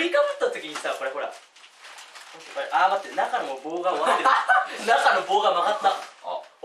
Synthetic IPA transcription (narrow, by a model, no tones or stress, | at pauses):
ɾʲikamɯt̪ːat̪okʲiɲ̟isajapːaɾeɦo̞ɾa̰ | pːaɾeʔaːmat̪ːenakanoboːɡamakatt̪ːenakanoboːɡamakat̪ːa̰